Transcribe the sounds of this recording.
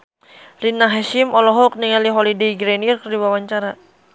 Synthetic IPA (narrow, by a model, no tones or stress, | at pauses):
rinaɦaʃimɔlɔɦɔk̚niŋaliɦɔlidiɡɾɛnirkərdiwawaɲt͡ʃaɾa